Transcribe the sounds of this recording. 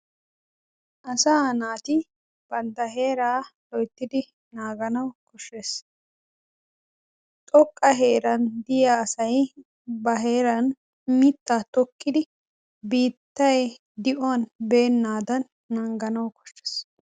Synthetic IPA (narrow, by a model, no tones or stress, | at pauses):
ʔɐsaːnaːt̪ɪ | b̥ɐnt̪ɐɦe̞ːɾaːlɔjt̪ːɪd̪ɪ | naːɡɐnɐwkɔʃːes | t̪ʼɔkʼːɐɦe̞ːɾɐnd̪ɪjaːsɐj | bɐɦe̞ːɾɐn | mɪt̪ːat̪ɔkːɪd̪ɪ | biːt̪ːɐjɛ | d̪ɪʔɔɐnbe̞ːnːaːd̪ɐnː | ɐŋɡɐnɐwkɔ̥ʃːɛ̥s